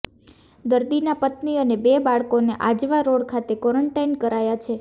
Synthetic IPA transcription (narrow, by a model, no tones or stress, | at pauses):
d̪əɾd̪inapət̪niənebebaɭkoneʔad͡ʒʋaɾoɽkʰat̪ekɔɾəɳʈajnkəɾajat͡ʃʰe